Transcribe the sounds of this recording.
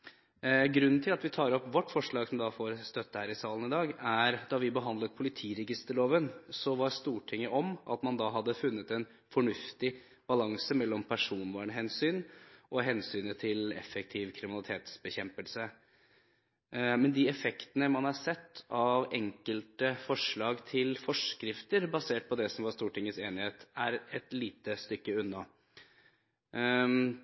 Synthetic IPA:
ɡɾʉnːnt̪ʰɪlɑt̪ʋɪt̪ʰɑːɾɔpːʋɔʈːfɔʂɭɑːɡsɔmd̪ɑfoːɾst̪œt̪ːəhæːɾɪsɑːlənɪd̪ɑːɡæɾd̪ɑʋɪbəɦɑnd̪lət̪̚pʰʊlɪt̪ʰiːɾɛɡɪst̪əɾɭoːʋənsɔʋɑɾst̪uːʈʰɪŋːəʔɔmʔɑ̰t̪mɑnd̪ɑːɦɑd̪ːəfʉnːət̪ɛn | fɔɳʉft̪ɪ | b̥ɑlɑŋsəmɛlːɔmpʰæʂuːnʋɑːɳəɦɛnsyːnʔɔɦɛnsyːnət̪ʰɪlɛ̰fːɛk̚t̪ʰiːʋkʰɾɪmɪnɑlɪt̪ʰeːt̪sbəçɛmpəlsə | mɛnd̪iɛfɛkt̪ənəmɑnɑɾsɛt̪ːɑʋɛŋkəlt̪əfɔʂɭɑːɡt̪ʰɪlfɔʂkɾɪft̪əɾbɑseːʈ̚pʰɔd̪ɛsɔmʋɑɾʂst̪uːʈɪŋːəseːnɪheːt̪æɾɛt̪liːt̪əst̪ʏkːəʉnːɑ

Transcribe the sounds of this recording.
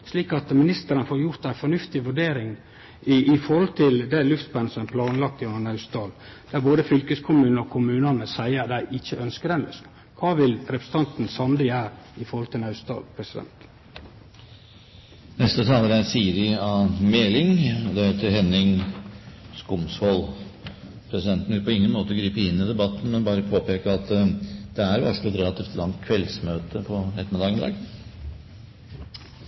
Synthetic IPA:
ʂliːkɑt̪mɪnɪst̪əɾənəfoːɾjʊɾt̪æɪfɔnʉft̪ɪʋʉɖeːɾɪŋ | ɪɪfɔɾhɔlt̪ʰɪld̪ælʉft̪bɛnəsɔmæpʰlɑːnlɑk̚t̪ɪɔnɑʉst̪ɑːld̪̥æɾboːd̪əfʏlkəskʰʊmʉːnɔkʰʊmʉːnɑnəsæɪəɾd̪æɪʔɪçːəœnskəd̪ɛnœ̰s | kʰɑːʋɪlɾɛpɾə̥sə̥n̩t̪ɑnt̪n̩sɑnd̪ɪæːɾ | ɪfɔɾhɔlt̪ʰɪlɑʉst̪ɑ̰ːlpʰɾɛsɪd̪ɛ̰nt̪ | nɛst̪ət̪ʰɑːləɾæɾsiːəɾɪɑmeːlɪŋɔd̪ɛheːt̪əɦɛnːɪŋ | skʊmshɔl | pʰɾɛsɪd̪ɛnt̪n̩ʋɪlpɔɪŋːənmoːt̪əɡɾiːpəɪnːɪd̪ɛbɑt̪ːn̩mɛnbɑːɾəpʰoːpeːkəɾɑt̪d̪̥ɛæɾʋæ̰ʂlɛt̪ɾɛlɑt̪ʰiːft̪lɑŋt̪̚kʰʋɛlsmøːt̪əpʰɔɾɛt̪ːəmd̪ɑːɡmɪd̪ɑ̰ːɡ

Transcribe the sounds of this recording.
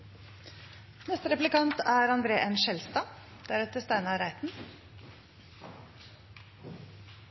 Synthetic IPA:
nɛst̪əɾɛplɪkɑnt̪æːɾɑnd̪ɾeːʔenʃɛlst̪ɑːd̪̥æɾɛt̪əst̪æɪnəɑːɾæɪt̪n̩

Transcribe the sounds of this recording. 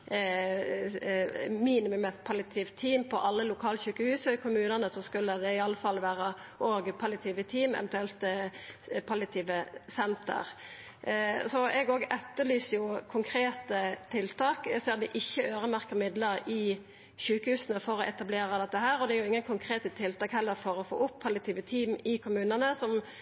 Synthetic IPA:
miːnɪməmɛt̪pʰɑlɪt̪ʰiːʋt̪ʰːiːmpʰɔʔɑlːəlʊkʰɑːlçʉːkəhʉːsəkʰʊmʉːnənəsɔskʉlːəd̪ɛɪɑlːəfɑlːʋæːɾə | ʔoːɡpʰɑlɪɑt̪ʰiːʋət̪ʰiːmɛ̰ʋɛnt̪ʉɛlt̪ | pʰɑlɪɑt̪ʰiːʋəsɛnt̪ə̰ʁ | sɔʔɛɡoːɡɛt̪ːəlyːsəjʊkʰʊŋkʰɾeːt̪ət̪ʰɪlt̪ʰɑːkseːɾd̪ɛʔɪçːəøːʁəmæʁkəʁmɪd̪ləɾɪ | çʉːkəhʉːsənəfɔɾɔʔɛt̪ɑbleːɾɑd̪ɛt̪ːəhæːɾɔd̪ɛæɾjʊɪŋːənkʰʊŋkʰʁeːt̪ət̪ʰɪlt̪ɑːkhɛlːəɾfɔɾɔfo̰ːʊpʰːɑlɪɑt̪ʰiːʋət̪ʰiːmɪkʰʊmʉːnənəsɔm

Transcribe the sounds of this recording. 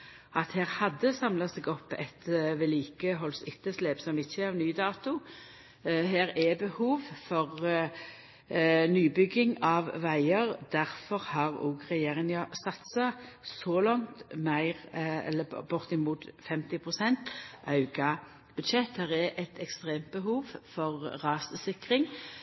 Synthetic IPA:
ɑt̪heːʁhɑd̪ːəsɑmlɑsɛːɡɔpːɛ̰t̪ʋɛliːkəɦɔlsʏt̪ːəsleːbsɔmɪçːəɑʋnyːd̪ɑːt̪ʊ | heːɾɛbəhuːʋfɔʁ | nyːbʏɡɪŋɑʋʋæɪəʁd̪̥æʁfɔʁhɑʁɔ̰ːɡʁɛjeːʁɪŋɑsɑt̪sɑsɔlɑŋt̪mæɪʁɛ̰lːəbʊʁt̪ɪmuːt̪fɛmt̪ɪpʰʁʊsɛnt̪ʔɑʉɡɑ | b̥ʉd̪ʃɛt̪hæːʁɛʔɛt̪ʰɛkst̪ʁeːmt̪̚bəɦuːʋfɔʁʁɑːsəsɪkʁɪŋ

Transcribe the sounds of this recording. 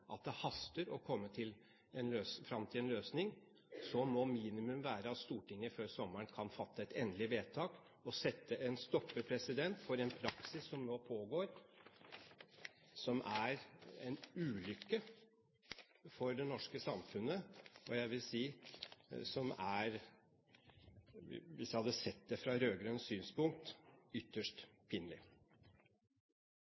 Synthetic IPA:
ʔɑ̰t̪̚d̪ɛhɑst̪əɾɔkʰɔmːət̪ʰɪl | ɛnløːsfɾɑmt̪ʰɪlɛnløːsnɪŋ | sɔmɔmiːnɪmʉmʋæːɾəɑt̪st̪uːʈɪŋːəɾføːɾsɔmːəɳkʰɑnfɑt̪ːəɛt̪ɛnd̪lɪʋeːt̪ʰɑːk | ɔsɛt̪ʰːəɛnst̪ɔpːəpʰɾɛsɪd̪ɛnt̪fɔɾɛnpʰɾɑksɪsːɔmnoːpʰoːɡoːɾ | sɔmʔæɾɛ̰nʉːlʏkːə | fɔɾɖɛnɔʂkəsɑmfʉnəɔjæɪʋɪlsiː | sɔmæɾ | ʋɪsjæɪhɑd̪ːəsɛt̪̚d̪ɛfɾɑɾøːɡɾœnssyːnspʊŋk̚t̪ʏt̪ːəʂtpʰɪnlɪ̰

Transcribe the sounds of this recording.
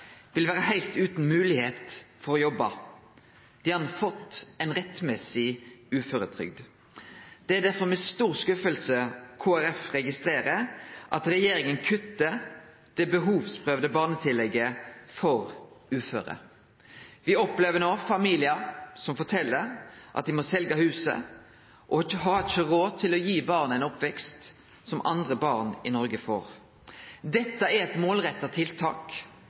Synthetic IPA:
ʋɪlʋæːʁɾəhæɪlt̪ʉːt̪n̩mʉːlɪheːt̪fɔɾɔjɔbːɑ | d̪̥ɪhɑnfɔt̪ːɛnʁɛt̪mɛsɪʉːføːɾət̪ʰɾʏ̰ɡd̪ | d̪̥ɛæd̪æɾfɔmɛst̪uːʁskʉfəlsəkʰoːæɾɛfʁɛɡɪst̪ɾeːɾəʔɑt̪ɾɛjeːɾɪŋənkʰʉt̪ːə | d̪̥ɛbəɦuːʋspʰʁøːʋd̪əbɑːʁnət̪ʰɪlɛɡːəfɔɾʉːfø̰ːɾə̰ | ʋɪɔpleːʋənoːfɑmiːlɪɑsɔmfɔʈʰɛlːəɾʔɑt̪̚d̪ɪmɔsɛlɡɑhʉːsə̰ | ʔɔɦɑːɪʃəʁoːt̪ʰɪlɔjiːbɑːʁnəæɪnɔpʋɛkst̪ | sɔmʔɑ̰nd̪ʁəbɑːʁnɪnɔɾɡəfo̰ːɾ | d̪ɛt̪ːəæɾɛt̪moːlɾɛt̪ːɑt̪ʰɪlt̪ʰɑ̰ːk

